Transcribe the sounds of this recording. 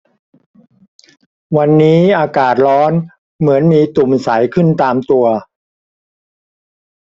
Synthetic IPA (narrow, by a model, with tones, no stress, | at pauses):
wa˧nːiː˦˥ʔaː˧kaː˨˩t̪̚lɔː˦˥n | mɯ˩˦ənmiː˧t̪u˨˩msa˩˦jkʰɯ˥˩nt̪aː˧mt̪u˧ɐ